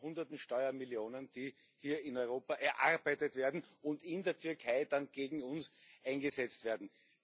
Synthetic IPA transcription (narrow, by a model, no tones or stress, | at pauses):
hʊ̃ndɐtn̩ʃtɔʏɐmɪljoːnənd̥i | hiːɐɪnɔʏʁoːpɐʔɛɐʔaʁbæɪtətv̥eːɐdn̩ʊntɪndeːɐtʰʏɐkʰaɪdanɡ̥eːɡŋ̩ʊnsʔãɪnɡəzɛt͡stv̥eːɐdn̩